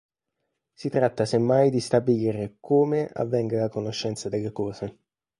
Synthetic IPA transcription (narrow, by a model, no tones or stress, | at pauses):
sit̪ɾat̪ːasemːajd̪ist̪abiliːɾekʰoːmeʔa̰vːɛŋɡalakonoʃːɛnt̪sad̪elːekɔːze